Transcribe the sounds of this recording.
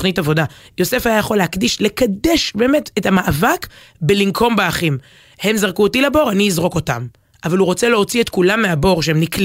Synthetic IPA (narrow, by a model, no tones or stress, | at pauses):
χnitavo̞dajo̞se̞fajajaχo̞lehakdiʃle̞kadeʃbe̞ːme̞tethamaʔavak | belimkʰo̞mbaaχim | he̞mzaʁkuotilabo̞ʁaniːzʁo̞ko̞ta̰m | ʔavalhuʁo̞t͡seleo̞t͡sietkulamːeabo̞ʁʃ̬ehemnikl